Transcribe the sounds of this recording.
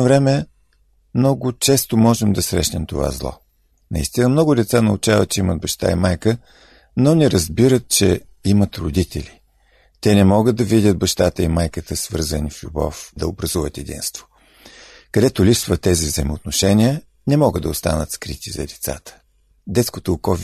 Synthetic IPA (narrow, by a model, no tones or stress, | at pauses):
novɾɛmɛ | mnɔɡʊt͡ʃɛst̪omɔʒɛmd̪ɐsɾɛ̰ʃnɛmt̪ova̰zlˠɔ̰ | nɐist̪inəmnɔɡʊd̪ɛt̪sanəut͡ʃavə̰t̪̚t͡ʃɛiməd̪̚bɐʃt̪a̰imajkə | nɔnɛɾəzbiɾət̪̚t͡ʃɛ̰ | imət̪ɾʊd̪it̪ʰɛlʲi | t̪ɛnɛmɔɡəd̪ɐvid̪ʲət̪̚bɐʃt̪at̪əimajkət̪əsvɤ̰ɾzəniflʲubɔ̰fd̪ɐobɾɐzuvət̪ɛd̪ḭnst̪vo̥ | kɐd̪ɛt̪ʊlʲipsvət̪ːɛzivzəjmoʊt̪noʃɛnʲiə | nɛmɔɡəd̪d̪ɐost̪a̰nət̪skɾit̪izɐ̰d̪ɛt̪sa̰t̪ə̥ | d̪ɛt̪skot̪oːkɔv